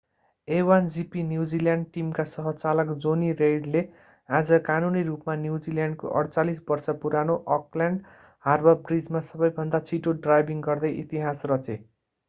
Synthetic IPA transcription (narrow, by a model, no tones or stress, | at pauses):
ewand͡zipinjud͡ziljaɳɖ̚ʈimkasʌɦʌt͡salʌkd͡zoniɾejɖle | ad͡zʌkanuniɾupmanjuwd͡ziljaɳɖko̰ʔʌ̰ɽt͡salisbʌrsʌpuɾanoʔʌkljaɳɖ | harbʌbrid͡zmasʌbʌjbʱʌnd̪at͡sʰiʈoɖrajbiŋɡʌrd̪ʌjʔit̪iɦasrʌt͡se